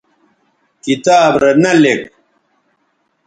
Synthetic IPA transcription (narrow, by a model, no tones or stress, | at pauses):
kit̪aːbɾenɐlek